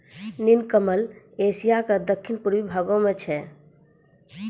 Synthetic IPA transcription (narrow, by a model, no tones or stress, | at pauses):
ninkəməl | esijaked̪əkʰːinpuɾʋibʱaɡõmet͡ʃʰɛ